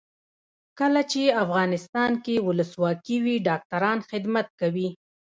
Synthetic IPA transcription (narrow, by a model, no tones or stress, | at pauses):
kəlat͡ʃeafɣɑnɪst̪ɑnkewʊləswɑkiwiɖɑk̚taɾɑnxɪd̪mat̪̚kawi